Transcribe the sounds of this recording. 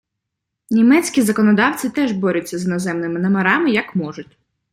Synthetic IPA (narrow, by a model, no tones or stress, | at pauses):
nʲimɛt͡sʲkʲizɐkɔnɔd̪ɑwt͡sʲɪt̪ɛʒbɔɾʲɛt͡sʲːɐznɐzɛmnɪmɪnɐmeɾɑmɪjɐkmɔʒʊt̚ʲ